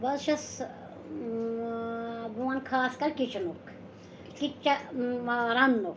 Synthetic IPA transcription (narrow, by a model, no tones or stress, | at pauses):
bɐlʃɐs | bʱuʋɐnkʰaːskɐɾkit͡ʃɐnok | kit͡ʃːɐaɾɐnːok